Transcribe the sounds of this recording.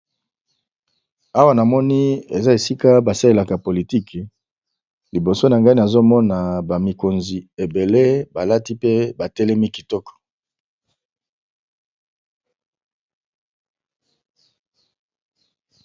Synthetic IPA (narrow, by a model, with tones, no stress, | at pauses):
a˦wa˦na˨mɔ˦ni˦e˨za˦e˨si˦ka˦ba˨sa˦le˨la˨ka˨po˨li˨ti˦k | li˨bo˨so˦na˨ŋɡa˦i˦na˨zo˦mɔ˦na˨ba˨mi˨ko˨nzi˨e˨be˨le˦ba˨la˦ti˦pe˦ba˨tɛ˦lɛ˦mi˦ki̥˨tɔ˦kɔ̥˨